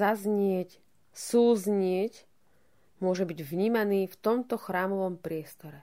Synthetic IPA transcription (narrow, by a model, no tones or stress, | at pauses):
azɲɪɛc | suːzɲɪɛc | mʊɔʒɛbiɟvɲiːmaniːft̪ɔmt̪ɔxɾaːmɔʋɔmpɾɪɛst̪ɔɾɛ